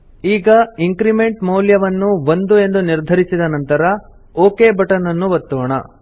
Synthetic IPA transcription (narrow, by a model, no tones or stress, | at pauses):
iːɡɐiŋkɾime̞ɳʈmɐwljɐʋɐnːuʋond̪ue̞nd̪uniɾd̪ʱɐɾisid̪ɐnɐnt̪ɐɾɐ | oːkeːbɐʈɐnɐnːuʋɐt̪ːɔːɳɐ̰